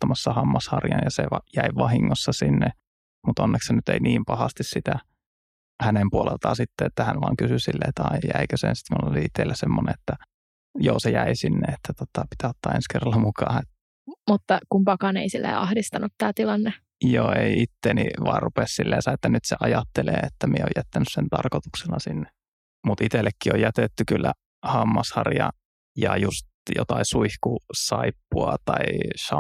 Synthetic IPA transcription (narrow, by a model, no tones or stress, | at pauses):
t̪ːɑmɑsːɑhɑmːɑshɑrjɑ̰njɑseʋɑjæiʋɑhiŋːosːɑsinːe | mut̪onːeksenyt̪ḛiniːmpɑhɑst̪issit̪æ | hænempuolḛlt̪ɑːsit̪ːeet̪ːæhænʋɑ̰ːŋkysysilːḛːt̪ːɑijjæikøsḛnsi̥t̪mulːo̰liit̪ːˑeilːæsemːonḛet̪ːæ | jo̰ːsejæisinːeet̪ːæt̪ot̪ɑpi̥t̪æot̪ːɑːenskerɑlːɑmukɑːet̪ː | mut̪ːɑkumpɑkɑnḛisilːḛɑhdist̪ɑnut̪t̪æːt̪ilɑnːe | joːeiit̪ːenḭʋɑ̰ːrupessilːḛːsɑet̪ːænyt̪seʔɑjɑt̪ːelḛːet̪ːæmieo̰jæt̪ːænyssent̪ɑrkot̪ukselːɑsinːe | mut̪it̪elːekːiojjæt̪et̪ːykylːæ | hɑmːɑshɑrjɑ | jɑjust̪jo̰t̪ɑisuihkusɑipːuɑt̪ɑisɑ